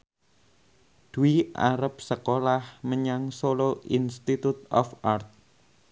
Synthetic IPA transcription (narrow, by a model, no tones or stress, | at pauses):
d̪̥uiʔa̰ɾəp̚səkolahməɲaŋsoloinst̪it̪ut̪ɔfart̪̚